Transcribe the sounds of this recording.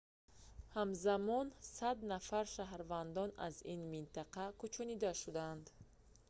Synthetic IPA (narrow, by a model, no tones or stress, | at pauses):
hamzamɔnsad̪nafaɾʃaɦɾvand̪ɔna̰zinmint̪ʰaqʰakʰut͡ʃʰɔnid̪aʃud̪and̪